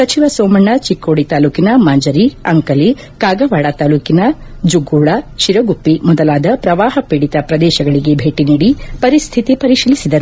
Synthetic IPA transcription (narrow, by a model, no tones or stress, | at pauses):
sɐt͡ʃiʋɐsoːmɐɳːɐt͡ʃikːoːɽit̪aːluːkinɐmaːɲd͡ʒɐɾiɐŋkɐli | kaːɡɐʋaːɽɐt̪aːluːkinɐd͡ʒuɡuːɭɐʃiɾɐɡupːimɔd̪ɐlaːd̪ɐpɾɐʋaːɦɐpiɽit̪ɐpɾɐd̪ɛːʃɐɡɐɭiɡe̞bʱeːʈiniːɽipɐɾist̪ʰit̪ipɐɾiʃilisid̪ɐɾu